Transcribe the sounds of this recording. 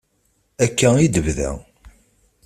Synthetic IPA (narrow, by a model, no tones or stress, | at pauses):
ækːæid̪əvðæ̰